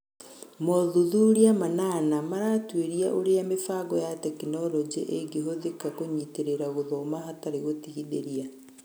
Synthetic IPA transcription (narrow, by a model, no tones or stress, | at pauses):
mɔðuðuɾiamananamaɾatweɾiaʔoɾeamefaɡɔjatɛkinɔɾɔd͡ʒḛʔeɡeɦoðekakoɲiteɾeɾaɣoðɔmahataɾeɣotiɣiðeɾia